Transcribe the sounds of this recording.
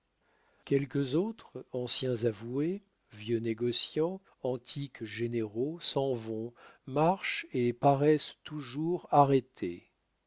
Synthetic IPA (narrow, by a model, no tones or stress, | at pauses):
kʲɛlkəzot̪χɑ̃sjɛ̃zavue | vjøneɡɔsjɑ̃ | ɑ̃t̪ʰikʒeneʁosɑ̃vɔ̃maʁʃepaʁɛst̪uʒuʁaʁet̪ʰe